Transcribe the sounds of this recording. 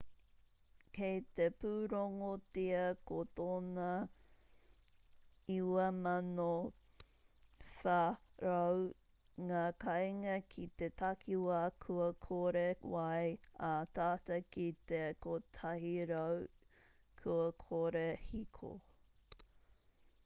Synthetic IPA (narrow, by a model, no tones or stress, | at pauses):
kejt̪epuːɾoŋotiɐkot̪oːnɐ | iwɐmɐno | fɐɾɐw | ŋaːkɐjŋɐkʰit̪et̪ɐkiwakʰuɐkʰoɾewɐjat̪aːtɐkit̪ekotʰɐɦiɾɐw | kʰuɐkʰoɾehikʰo̰